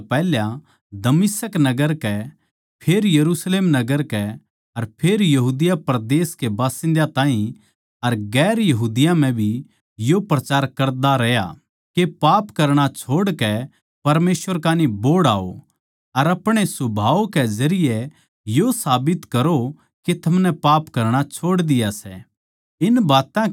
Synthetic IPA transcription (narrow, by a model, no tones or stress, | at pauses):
pɛːljã | d̪ɐmɪsəknɐɡəɾkɛ | pʰeːɾjɐɾuːsleːmnɐɡəɾkɛ | ɐɾpʰeːɾjɐɦuːd̪ɪjapɾd̪eːskebaːsɪ̃nd̪at̪aːɦĩ | ɐɾɡɛːɾjɐɦuːd̪ɪjãm̤ɛ̃bʱi | jopɾɐt͡ʃaːɾkɐɾd̪aɾɛja̰ | kepaːpkɐɾɽ̃at͡ʃʰoːɽkɛ | pɐɾmeːsʋəɾkaːnĩboːɽaːo̰ | ɐɾɐpɽ̃esʊbʱaːokɛd͡ʒɐɾɪjɛ | josaːbɪt̪kɐɾo | ket̪ʰɐmnɛpaːpkɐɾɽ̃at͡ʃʰoːɽd̪ɪjasɛ̰ | ɪnbaːt̪ã